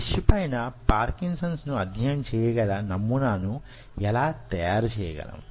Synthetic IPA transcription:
iʂipɐjnɐpaːɾkinsɐnsnuɐd̪ʱjɐjɐmt͡ʃɛːjɐɡɐlɐnɐmːunaːnu | ɛlaːt̪ɐjaːɾut͡ʃɛːjɐɡɐ̰lɐ̰m

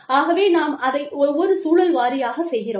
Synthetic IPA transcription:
aːɣɐʋeːnaːmɐðɐɪɔɾʋɔɾɯsuːlɐlʋaːɾɪjaːɣɐsɛjɣɪroː

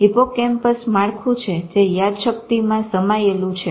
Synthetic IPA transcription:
ipokɛmpəsmaɭkʰũt͡ʃʰed͡ʒejad̪ʃək̚t̪imãsəmajelũt͡ʃʰe

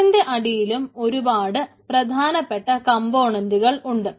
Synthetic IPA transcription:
indeʔɐɽijilumo̞ɾubaːɽɨ | prɐd̪ʱaːnɐpːeʈːɐkɐmboːɳɐnduɣɐɭuɳɖɨ

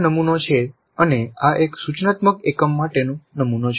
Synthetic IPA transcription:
nəmunot͡ʃʰe | əneaʔeksut͡ʃnat̪məkekəmːaʈenũnəmunot͡ʃʰ

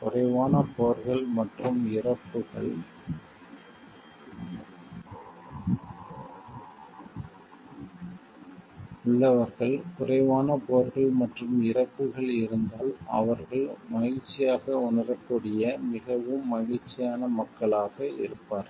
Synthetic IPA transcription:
kʊrɐɪʋaːnɐpoːɾɣɐɭmɐʈrɯmɪrɐpːɯɣɐ̰ɭ | ʊɭːɐʋɐɾɣɐɭkʊrɐɪʋaːnɐpoːɾɣɐɭmɐʈrɯmɪrɐpːɯɣɐɭɪɾɯnd̪aːlɐ̰ʋɐɾɣɐɭmɐɣɪɾt͡ʃːɪjaːɣɐʊnɐrɐkːuːɽɪjɐmɪɣɐʋɯmːɐɣɪt͡ʃːɪjaːnɐmɐkːɐɭaːɣɐɪ̰ɾɯpːaːɾ

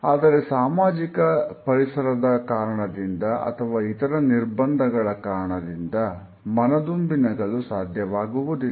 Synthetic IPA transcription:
aːd̪ɐɾe̞saːmaːd͡ʒikɐpɐɾisɐɾɐd̪ɐkaːɾɐɳɐd̪ind̪ɐʔɐ̰t̪ʰɐʋaːit̪ɐɾɐniɾbɐnd̪ʱɐɡɐɭɐkaːɾɐɳɐd̪ind̪ɐ | mɐnɐd̪umbinɐɡɐɭusaːd̪ʱjɐʋaːɡuʋud̪i

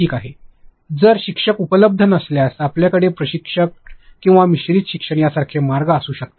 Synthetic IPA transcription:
iːkaɦe | d͡zəɾɕikʂəkupələb̚d̪ʱənəsljasapljakəɽepɾəɕikʂək̚ːĩw̃ʋamiɕɾiːt̪ɕikʂəɳ̃jasaɾkʰemaɾɡəəsuːɕək̚t̪ḁ

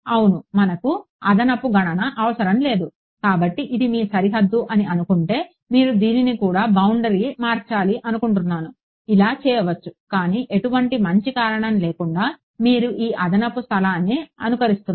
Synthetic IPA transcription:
ɐwunumɐnɐku | ɐd̪ɐnɐpːuɡɐɳɐnɐʔɐʋɐsɐɾɐmle̞ːd̪u | kaːbɐʈːiʔid̪imiːsɐɾiɦɐd̪ːuʔɐniɐnukuɳʈe̞ː | miːɾud̪iːninikuːɽaːbɐwuɳɖɐɾiːmaːɾt͡ʃaːliʔɐnukuɳʈunːaːnu | ilaːt͡ʃɛːjɐʋɐt͡ʃːu̥kaːniːʔe̞ʈuʋɐɳʈimɐɲt͡ʃikaːɾɐɳɐmleːkuɳɖaː | miːɾuʔiːʔɐd̪ʱɐnɐpːust̪ʰɐlaːnːiɐnukɐɾist̪un

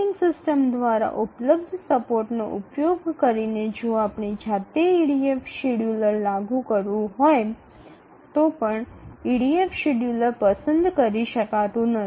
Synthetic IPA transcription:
ɪŋɡsɪsʈəmd̪ʋaɾa̰ʔʊpləb̚d̪ʱsəpoɾʈno̰ʔupjoɡkəɾined͡ʒõapɳid͡ʒʱat̪eiɽiefʰʃiɽjuləɾlaɡũkəɾʋũɦoj | t̪opəɳiɽiefʃiɽjuləɾpəsənd̪kəɾiʃəkat̪ũnə

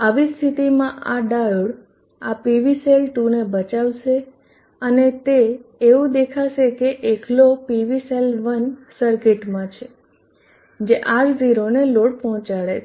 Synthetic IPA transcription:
aʋist̪ʰit̪imãʔaɖajuɽ | apiʋiselʈunebət͡ʃaʋʃe | ənet̪eːʋũd̪ekʰaʃekeʔekʰlopiʋiselʋənsəɾkɪʈmãt͡ʃʰe | d͡ʒeʔaʈziɾoneloɽpɔɦɔ̃t͡ʃaɭe

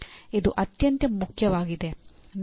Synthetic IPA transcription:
ed̪uʔɐt̪jɐnt̪jɐmukʰːjɐʋaːɡit̪en

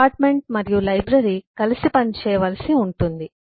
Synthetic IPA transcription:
aːɾʈme̞ɳʈ̚mɐɾijulɐjbɾɐɾikɐlisipɐnit͡ʃɛːjɐʋɐlɐsiuɳʈund̪i

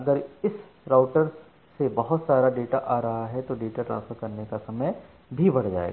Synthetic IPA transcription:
ɐɡəɾɪs | ɾaːʊʈəɾ | sebɐɦʊt̪saːɾaɖeːʈaʔaːɾɐɦaɦɛt̪oɖeːʈaʈɾã̰ːnsfəɾkɐɾnekasɐməj | bʱibɐɽ̤d͡ʒa̰ːḛːɡa

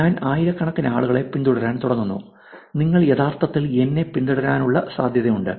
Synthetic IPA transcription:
ɲaːnaːjiɾɐkːɐɳɐkːinɐaːɭuɣɐɭe̞pind̪uɽɐɾaːnt̪uɽɐnːunːṵ | niŋːɐɭjeðaːrt̪ɐt̪ːile̞nːe̞pind̪uɽɐɾaːnuɭːɐsaːd̪ʱjɐðɐjuɳɖɨ̰

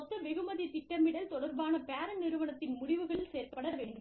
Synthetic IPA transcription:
ɔt̪ːɐʋɛɣɯmɐðit̪ɪʈːɐmɪɽɐlt̪ɔɽɐɾbaːnɐpeːɾɐnɪɾɯʋɐnɐt̪ːɪnmʊɽɪʋɯɣɐɭɪlseːɾpɐɽɐʋeːɳɖɯm

